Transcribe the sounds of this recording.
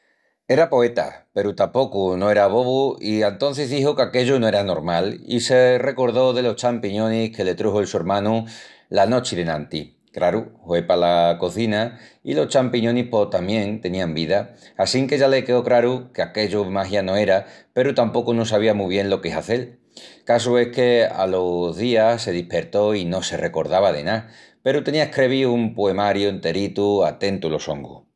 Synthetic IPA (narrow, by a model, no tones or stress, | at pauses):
e̞ɾapo̞e̞t̪a̰pe̞ɾut̪ampo̞kunoe̞ɾaβ̞o̞βuiaent̪õ̞n̟θezðihokeake̞ʎunoe̞ɾano̞ɾmalḭse̞re̞ko̞ɾðo̞ðe̞lo̞ht͡ʃampiɲõ̞nihke̞le̞t̪ɾuhoelsue̞ɾmãnu | lano̞t͡ʃiðenãnt̪i | kɾaɾuhwe̞palako̞θinaḭlo̞t͡ʃampiɲõnihpo̞t̪amjẽ̞ŋt̪e̞nĩambiðaːsiŋke̞ʝalekeokɾaɾukeake̞ʎomaɦjanõ̞e̞ɾape̞ɾut̪ampo̞kunos̬aβ̞iamuβ̞je̞nlo̞keɦaθe̞l | kas̬ue̞hke̞a̰loðiase̞ðihpe̞ɾt̪o̞ino̞se̞re̞ko̞ɾð̞aβaðe̞̰na | pe̞ɾut̪e̞niaehkɾe̞βiumpoe̞maɾjuent̪e̞ɾit̪uat̪e̞nt̪ulo̞so̞̰ŋɡṵ